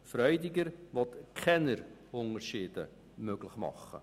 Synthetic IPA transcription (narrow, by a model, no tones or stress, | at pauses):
fɾœʏdɪɡəɾʋɔtkʰɛnəɾ | ʊŋərʃiːdə̰ | møɡləχmɑ̰χːə̰